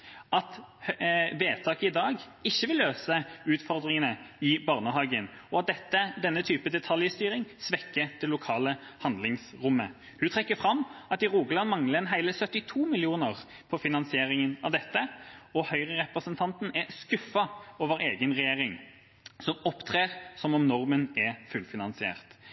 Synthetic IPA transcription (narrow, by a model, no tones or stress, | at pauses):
ɑt̪ | ʋeːt̪ʰɑːkəɪd̪ɑːɡ | ɪçːəʋɪlːøːsəʉːt̪fɔʁd̪ʁɪŋənəɪbɑʁnəɦɑːɡən | ɔɑt̪̚d̪ɛt̪ːəd̪ɛnːət̪ʰyːpəd̪ɛt̪ʰɑljəst̪yːʁɪŋsʋɛkːəd̪̥ɛlːʊkʰɑːləhɑnd̪lɪŋsɾʊmːə̰ | hʉt̪ʰʁɛkːəfɾɑmːɑt̪ɪʁuːɡəlɑnmɑŋləɛnɦæɪləsœt̪ːɪt̪ʰuːmɪlɪuːnəʁ | pʰɔfɪnɑnsɪeːɾɪŋənɑʋd̪ɛt̪ːəɔhœʏʁəʁɛpɾəsənt̪ʰɑnt̪n̩ɛskʉfːɑoːʋəɾeːɡənɾɛjeːʁɪŋ | sɔmɔpt̪ʰʁeːʁsɔmɔmnɔʁmənɛfʉlfɪnɑnsɪḛːʁt̪